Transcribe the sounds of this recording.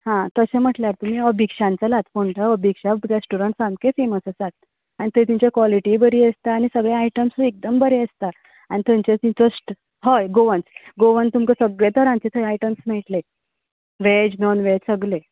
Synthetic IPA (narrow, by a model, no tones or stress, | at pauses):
hãt̪əsem̤əʈljaɾt̪um̤iːəbʱikʂãnt͡salat̪poɳʈaəbʱikʂaɾesʈuɾəɳʈsãmbkefeməsəsat̪̚ | anit̪et̪iɲt͡ɕakʋɔliʈibəɾiəst̪aːñisəɡɭeaiʈəmsuek̚d̪əmbəɾeəst̪a | anit̪əɲt͡ɕet̪ĩt͡səsʈ | ɦəjɡoʋənt͡sɡoʋənt̪umkəsəɡɭet̪əɾãnt͡ɕet̪ʰəaiʈəmsmeiʈle | ʋed͡ʑnɔnʋesəɡle